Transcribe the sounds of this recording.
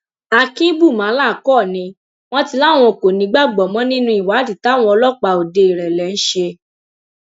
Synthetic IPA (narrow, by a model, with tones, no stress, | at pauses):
a˧kĩ˦bu˦˨mã˨˦la˦˨kɔ˦˨nĩ˧˦ | w̃ɔ̃˦ti˧la˦˨w̃ɔ̃˧˨ko˨nĩ˨˦ɡ͡ba˦ɡ͡bɔ˨mɔ̃˨˦nĩ˦nũ˦i˨wa˨˦ti˨ta˨˦w̃ɔ̃˧ɔ˧lɔ˦k͡pa˧o˨de˨˧i˨ɾɛ˨lɛ˨˦n̩˦ʃe˧